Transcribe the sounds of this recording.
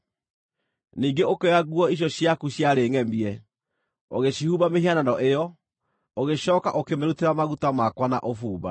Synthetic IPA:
niːŋɡeokeaɣuɔiɕ̬jɔɕjakuɕjaɾeːŋɛmiɛ | o̰ɣeɕihuːβameɦiananɔʔejɔ | oɣeɕɔːka̰ʔokemeɾuteɾamaɣutamakwana̰ʔofuːβa̰

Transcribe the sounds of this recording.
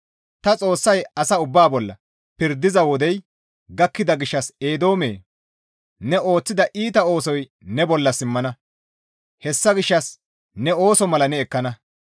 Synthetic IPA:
t̪ɐt͡sʼo̞ːsːɐjɐsɐʊbːaːbɔlːɐ̰ | pɪɾd̪ɪzɐwɔd̪ɛj | ɡɐkːɪd̪ɐɡɪʃːɐse̞ːd̪o̞ːmḛː | nɛʔo̞ːt͡sːɪd̪ɐʔiːt̪ɐo̞ːs̬ɔj | nɛbɔlːɐsɪmːɐnɐ | hɛsːɐɡɪʃːɐs | nɛo̞ːsɔmɐlɐnɛːkːɐnɐ

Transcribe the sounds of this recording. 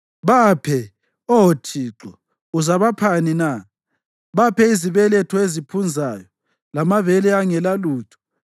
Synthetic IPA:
βapʰɛ | ɔɦotʰiːǁɔ | uzaβapʰanina | βapʰɛiziβɛlɛtʰɔezipʰund͡zʱajɔ | lamavɛlɛaŋɛlaluːtʰɔ̥

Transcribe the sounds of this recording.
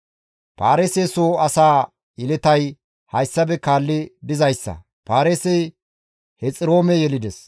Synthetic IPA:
paːɾeːseːsoːɐsaː | ɪlɛt̪ɐj | hɐjsːɐbɛkaːlːɪbɪzɐjsːɐ̰ | paːɾeːsɛj | hɛt͡sʼɪɾo̞ːmɛjɛlɪd̪ɛs

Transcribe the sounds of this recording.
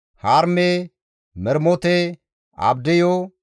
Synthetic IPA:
haːɾme | mɛɾmɔt̪ɛ | ɐ̰bd̪ɛjɔ

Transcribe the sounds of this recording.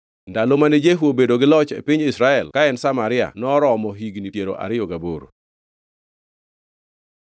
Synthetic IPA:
ndalomanɛd͡ʒeɦuobedoɡɪlɔt͡ʃḛpɪɲɪsɾaɛlkaɛnsamaɾɪa̰nɔɾɔmɔɦiɡnitjeɾo̰ʔa̰ɾɪjɔɡaboɾo̰

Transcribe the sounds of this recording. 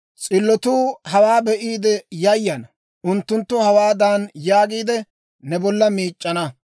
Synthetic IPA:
t͡sʼɪlːɔt̪uːhɐwaːbɛʔiːd̪ɛjɐjːɐnɐ | ʊnt̪ːʊnt̪ːʊhɐwaːd̪anjaːɡiːd̪ɛ | nɛbɔlːɐmiːt͡ʃʼːɐnɐ

